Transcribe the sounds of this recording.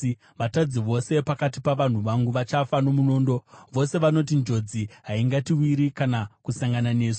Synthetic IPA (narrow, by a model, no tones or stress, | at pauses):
ʋatad͡ziʋo̞se̞pakatipaʋan̤uʋaŋɡuʋat͡ʃafano̞muno̞ːndo̞ʋo̞se̞ʋano̞t̬ind͡ʒo̞d͡ziɦaiŋɡatiwiɾikanakusaŋɡanane̞ːso̥